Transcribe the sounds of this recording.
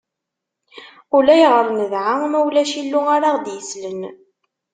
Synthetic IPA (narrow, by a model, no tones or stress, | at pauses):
ʊlæjʁəɾˤnəðʕamæwlæʃilːuaɾaʁd̪jəslən